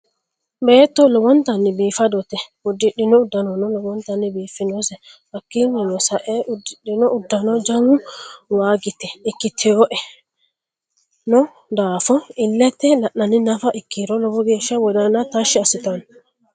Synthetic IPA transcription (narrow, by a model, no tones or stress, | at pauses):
be̞ːt̪ːɔlɔwɔnt̪ɐnːɪbiːfɐd̪ɔt̪ɛʊd̪ːɪɗːɪnɔʊd̪ːɐnɔnɔlɔwɔnt̪ɐnːɪbiːfːɪnɔsɛ | bɐkːinːɛnɔsɐʔɛʔʊd̪ːɪɗːɪnɔʔʊd̪ːɐnɔd͡ʒɐŋʊwaːɡɪt̪ːɛɪkːɪt̪ʰːɛwɔʔɛ | nɔ | d̪aːfɔɪlːɛt̪ːɛlɐʔɐnːɪnɐfɐʔɪkːiɾɔlɔwɔɡeːʃɐwɔd̪ɐnːɐt̪ɐʃɪɐsɪt̪ɐn